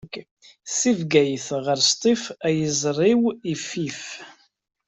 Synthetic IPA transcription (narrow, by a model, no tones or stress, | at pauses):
k | sivɡæjəθʁəɾst̪ˤifæjəzˤrˤiwifːif